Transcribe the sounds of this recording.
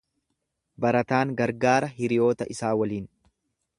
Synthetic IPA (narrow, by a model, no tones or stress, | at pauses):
bɐɾɐt̪aːŋɡɐɾɡaːɾɐɦɪɾɪjo̞ːt̪ɐʔɪsaːwɐliːn